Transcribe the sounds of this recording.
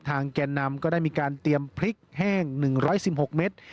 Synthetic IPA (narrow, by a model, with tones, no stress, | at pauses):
t̪ʰaː˧ŋkɛː˧nːa˧mkɔː˥˩daː˥˩jmiː˧kaː˧nt̪i˧əmpʰɾi˦˥k̚hɛː˥˩ŋnɯ˨˩ŋɾɔː˦˥jsi˨˩p̚ho˨˩k̚me˦˥t̪̚